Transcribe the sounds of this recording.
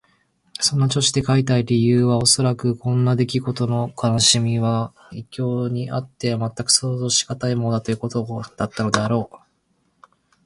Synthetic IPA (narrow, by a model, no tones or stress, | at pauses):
sõ̞nːat͡ɕo̞ɕi̥d̪e̞kait̪aiɾʲijɯːβao̞so̞ɾakɯ̟kõ̞nːad̪e̞kʲiɡo̞t̪o̞no̞kʰanaɕimʲiβa | ikʲo̞ːɲ̟iʔa̰t̪ːe̞mat̪ːakɯ̟̥so̞ːzo̞ːɕi̥ɡat̪aimo̞od̪at̪o̞jɯ̟ko̞t̪od̪̥at̪ːano̞d̪e̞aɾo̞ː